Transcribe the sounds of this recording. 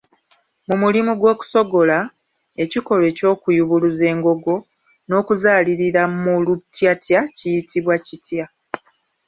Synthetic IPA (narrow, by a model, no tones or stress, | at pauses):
mumulimuɡwo̞ːku̥so̞ɡo̞la | e̞ciko̞le̞ːco̞ːkujuβuluze̞ːŋɡo̞ɡo̞ | no̞ːkuzaːliɾiɾamulutjatjacijitiβwacitja